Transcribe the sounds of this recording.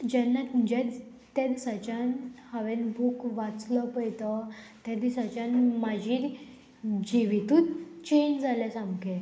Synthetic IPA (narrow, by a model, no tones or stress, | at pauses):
d͡ʑɛnːat̪ud͡ʑɛd̪ | t̪ːɛd̪sət͡ɕanhaʋɛnbʱukʋat͡sləpəjt̪ət̪ɛd̪isət͡ɕanmad͡ʑiɾ | d͡ʑiʋit̪ũtt͡ɕend͡zalasãmke